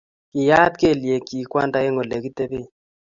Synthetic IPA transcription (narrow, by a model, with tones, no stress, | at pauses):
kɪ˨ja˦t̪ke˦˨lje˨ki˨kwa˦nda˦e˦ŋo˨le˨ki˦t̪e˦be˦